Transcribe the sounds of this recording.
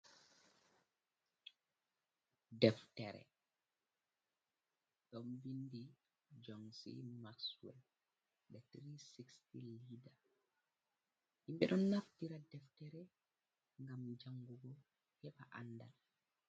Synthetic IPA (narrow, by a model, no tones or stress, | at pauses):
dɛftɛɾɛ̰ | ɗɔnbindi | d͡ʒɔŋsḭmakswɛ̰l | ɓɛtɾisikstilida | himɓɛɗɔnːaftiɾadɛftɛɾɛ | ŋɡamd͡ʒaŋɡuɡɔ | hɛɓaʔa̰nːda̰l